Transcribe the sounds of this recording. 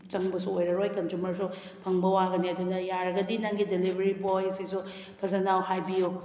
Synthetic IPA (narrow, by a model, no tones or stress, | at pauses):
t͡ʃɐŋbɐsuojɾɐɾojkɐnzumɐɾsu | pʰɐŋbɐwaɡɐniɐdunɐjaɾɐɡɐdinaŋɡidelibʱeɾibojsisu | pʰɐzɐnawhajbijo